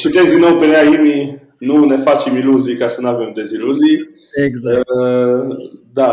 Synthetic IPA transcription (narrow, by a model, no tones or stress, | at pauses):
t͡ʃit̪esd̪inːowpeneaimi | nune̞fat͡ʃemiluzijkasənuave̞md̪e̞ziluzij | e | d̪a